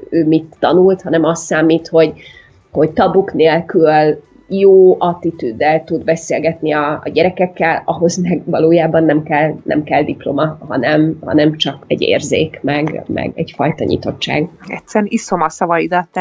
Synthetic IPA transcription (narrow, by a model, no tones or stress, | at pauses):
øːmit̪ːɒnult̪hɒnɛmɒst̪sːaːmːiːt̪ho̞ɟ | ho̞ɟt̪ɒbukneːlkyll | joːʔɒt̪it̪yd̪ːɛlt̪ud̪bɛseːlɡɛt̪niɒːɟɛɾɛkɛkːɛlɒɦo̞zmɛɡvɒloːjaːbɒnːɛmkɛlnɛ̰mkɛld̪iplo̞̰mɒɦɒ̰nɛmhɒ̰nɛmt͡ʃɒkɛ̰ɟːḛːrzḛːkmɛɡmɛ̰ɡɛ̰ɟfɒjt̪ɒɲḭt̪o̞t͡ʃːa̰ːɡɛt̪sɛɾisomɒsɒvɒjid̪ɒt̪ː